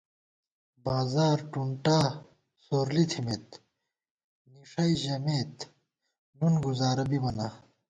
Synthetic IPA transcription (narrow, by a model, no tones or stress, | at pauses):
baːzaːɾʈuɳʈaː | soːɾlit̪ʰimet̪ | niʂɐiʑɐmeːt̪ | nunɡuzaːɾɐbimɐna